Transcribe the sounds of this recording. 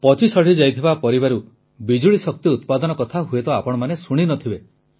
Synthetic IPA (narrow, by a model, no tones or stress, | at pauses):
pɔt͡ʃisɔɽ̤id͡ʒajt̪ʰibapɔɾibaɾu | bid͡ʒuɭisɔk̚t̪iut̪pad̪ɔnɔkɔt̪ʰaɦuet̪ɔapɔɽ̃ɔmanesuɽ̃inɔt̪ʰibe